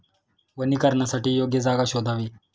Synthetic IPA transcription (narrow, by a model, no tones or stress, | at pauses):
ʋəniːkəɾɳjasaʈiːjoɡjəd͡zaɡaɕod̪ʱaʋiː